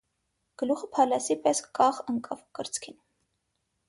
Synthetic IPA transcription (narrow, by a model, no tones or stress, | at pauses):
ɡ̥əluχəpʰɑlɑsipɛskːɑχəŋkʼɑvkəɾt͡skʰin